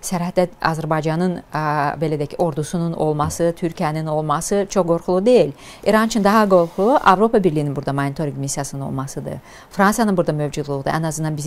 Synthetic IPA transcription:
sæɾæt̪̚ːæɑ̰zæɾbɑjd͡ʒɑnɯnbelɛd̪ɛcʰio̞ɾd̪usununo̞̰lˠmɑsɯt̪ʰyɾcʰijænino̞lˠmɑsɯt͡ʃʰoχɡo̞ɾχulˠud̪e̞jilʲ | iɾɑnt͡ʃʰɯnd̪ɑɦɑɡo̞ɾxulˠuʔɑvɾo̞pɑbiɾlʲijininbuɾd̪amanit̪ʰoɾʲimmisːijasɯnɯno̰lˠmɑsɯd̪ɯ̰ | fɾɑnsjɑnɯnbuɾd̪amøvd͡ʒud̪lˠud̪ṵʔæ̰nɑzɯnd̪ɑnbiz

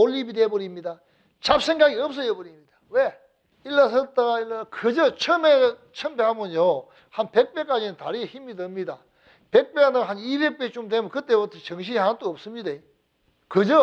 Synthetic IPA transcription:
olːibidebɯɾimɲida | t͡ɕap̚sʰe̞ŋɡaɡiʌp̚s̬͈ʌebʌɾimɲidawe | ilːas̬ʰʌt͈aɡailːakɯd͡ʑʌt͡ɕʰɯmet͡ɕʰʌmbeɦamɯnjo | hanpe̞k̚p͈ek͈ad͡ʑinɯntaɾieçimidɯmɲida | pe̞k̚p͈eanɯɦanibe̞k̚p͈et͡ɕomdemukɯt͈e̞butʰʌt͡ɕʌŋɕ̬ʰiɦanat͈oːp̚s͈ɯmɲide | kɯd͡ʑʌ

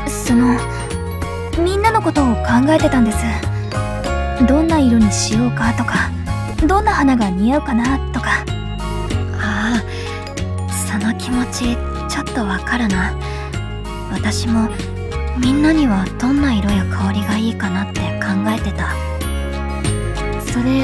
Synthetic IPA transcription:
so̞no̞ | mʲĩnːano̞ko̞t̪o̞ːkãŋɡae̞t̪e̞t̪ãnd̪e̞sɨ | d̪õ̞nːaiɾoɲ̟iɕijo̞ːkat̪o̞ka | d̪õ̞nːahanaɡamʲiaɯ̟kanat̪o̞ka | aː | so̞no̞kʲʰimo̞t͡ɕi | t͡ɕo̞t̪ːo̞βakaɾana | βat̪aɕimo̞ | mʲĩnːaɲ̟iβad̪̥õ̞nːaiɾo̞jokʰaoɾʲiɡaiːkanat̪ːe̞kʰãŋɡae̞t̪e̞t̪a | so̞ɾe̞

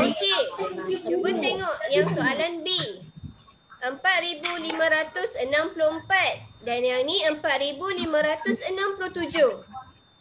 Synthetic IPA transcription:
ikit͡ʃubət̪eŋɔʔjaŋsoʔalanbi | ʔəmpat̪̚ɾibulimãɾat̪ʊsənãmpulʊəmpat̪̚danjaŋnĩəmpat̪̚ɾibulimãɾat̪ʊsənãmpulʊht̪ud͡ʒʊh

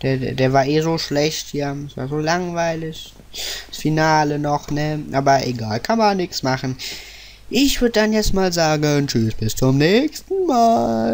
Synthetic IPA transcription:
d̥eːɐdeːɐvaːɐʔeːzoːʃlɛçtjasv̥a̰ːɐzoːlaŋvaɪlɪç̥ | asfinaːlənɔχnəʔaːbɐʔeɡaːlkʰanmanːɪksmaχn̩ | ʔɪçv̥ʏɐdədanjɛt͡stmaːlzaːɡənt͡ʃysb̥ɪst͡sʊmnɛːçstn̩maːl

